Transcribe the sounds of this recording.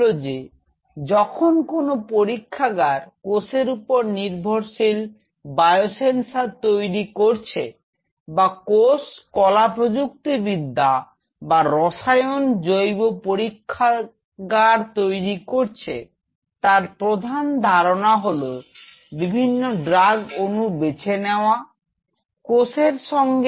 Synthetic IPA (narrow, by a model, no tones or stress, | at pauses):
od͡ʑe | d͡ʑɔkʰonkonopoɾikʰːaɡaɾkoseɾupoɾniɾbʱoɾʃil | bajosensat̪ojɾikoɾt͡ɕʰe | bakoskɔlapɾod͡ʑuk̚t̪ibid̪ʱːa | baɾɔʃajond͡ʑojbopoɾikʰːa | ɡaɾt̪ojɾikoɾt͡ɕʰe | t̪aɾpɾod̪ʱand̪ʱaɾonaɦolo | bibʱinːoɖɾaɡonubet͡ɕʰeneoa | koseɾʃɔŋɡ